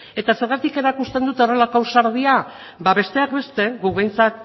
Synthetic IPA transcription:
e̞t̪ase̞ɾɣat̪ike̞ɾakust̪e̞nd̪ut̪o̞re̞lakawsaɾð̞ia | baβe̞st̪e̞akbe̞st̪e̞ɡukβejnt͡sat̪̚

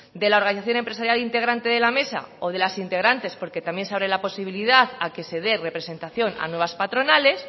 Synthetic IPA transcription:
d̪e̞lao̞ɾɣaniθaθjo̞ne̞mpɾesaɾjalint̪e̞ɣ̞ɾant̪e̞ðe̞lame̞sa̰o̞ð̞e̞lasint̪e̞ɣɾant̪e̞spo̞ɾke̞t̪amje̞nseaβɾelapo̞siβ̞iliðaðake̞se̞ðe̞re̞pɾe̞se̞nt̪aθjo̞na̰nwe̞βaspat̪ɾo̞nale̞s

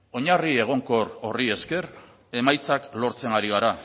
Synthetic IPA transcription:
o̞ɲarie̞ɣ̞o̞ŋko̞ɾo̞rie̞ske̞ɾ | e̞majt͡saklo̞ɾt͡se̞ŋaɾiɣ̞aɾa

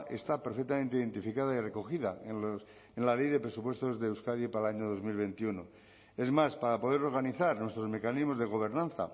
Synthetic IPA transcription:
ʔe̞̰st̪apeɾfe̞k̚t̪amẽnt̪eiðe̞nt̪ifikaðaire̞ko̞xiðaenos | enlale̞jðe̞pɾe̞supwe̞st̪o̞zðe̞ːwskaðjepaɾalaɲoðo̞zmilβe̞nt̪iuno | e̞zmaspaɾapo̞ðe̞ɾo̞ɾɣaniθaɾnwe̞st̪ɾo̞zme̞kanizmo̞zðeɣ̞o̞β̞e̞ɾnãnθa̰

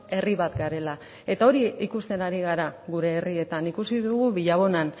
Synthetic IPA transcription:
e̞riβat̪ɡaɾe̞la | e̞t̪ao̞ɾiikust̪e̞naɾiɣ̞aɾaɣuɾe̞ːrie̞t̪anikusiðuɣuβiʎaβ̞o̞nan

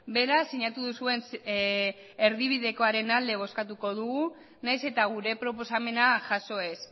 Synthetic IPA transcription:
be̞ɾasːiɲat̪uðusue̞ns | eɾðiβ̞iðe̞ko̞aɾe̞nald̪e̞β̞o̞skat̪uko̞ð̞uɣu | najse̞t̪aɣ̞uɾe̞pɾo̞po̞same̞naʝaso̞e̞s

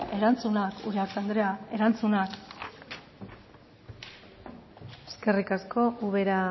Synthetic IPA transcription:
e̞ɾant͡sunakṵɾeaɾt̪and̪ɾeae̞ɾant͡sunak | e̥ske̞rikasko̞ʔuβe̞ɾa

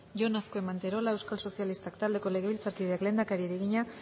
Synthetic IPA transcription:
ʝo̞nasko̞e̞mant̪eɾo̞lae̞wskalso̞sialist̪akt̪ald̪e̞ko̞le̞ɣ̞e̞βilt͡saɾkið̞eakle̞ːnd̪akaɾiɾeɣ̞iɲa

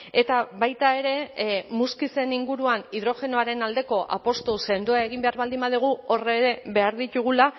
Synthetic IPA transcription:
e̞t̪aβajt̪ae̞ɾe̞muskise̞niŋɡuɾuaniðɾo̞xe̞noaɾe̞nald̪e̞ko̞ʔa̰po̞st̪ose̞nd̪uaeɣ̞imbe̞aɾβald̪imbaðiɣ̞uo̞re̞ɾe̞be̞aɾðit̪uɣ̞ula

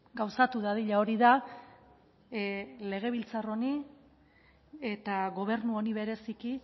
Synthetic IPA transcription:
ɡawsat̪uðaðiʎao̞ɾiða | le̞ɣ̞e̞β̞ilt͡saro̞ni | e̞t̪aɣo̞β̞e̞ɾnuo̞niβe̞ɾe̞siki

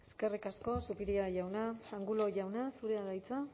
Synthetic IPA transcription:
e̞ske̞rikasko̞supiɾiaʝawnaaŋɡulo̞ʝawnasuɾe̞aðajt͡sa

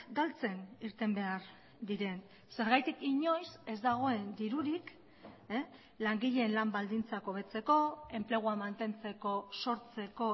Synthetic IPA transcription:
ɡalt͡se̞niɾt̪e̞mbe̞aɾ | d̪iɾe̞n | se̞ɾɣajt̪ikiɲo̞jse̞zd̪aɣ̞o̞e̞nd̪iɾuɾik | laŋɡiʎe̞ːnlambald̪int͡sako̞β̞e̞t͡se̞ko̞e̞mple̞ɣ̞uamant̪e̞nt͡se̞ko̞so̞ɾt͡se̞ko̞

